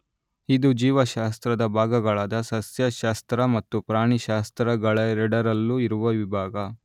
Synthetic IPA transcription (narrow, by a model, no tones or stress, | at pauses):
id̪ud͡ʒiːʋɐʃaːst̪ɾɐd̪ɐbʱaːɡɐɡɐɭaːd̪ɐsɐsjɐʃaːst̪ɾɐmɐt̪ːupɾaːɳiʃaːst̪ɾɐɡɐɭɐɾɛɖɐɾɐlːuiɾuʋɐʋibʱaːɡɐ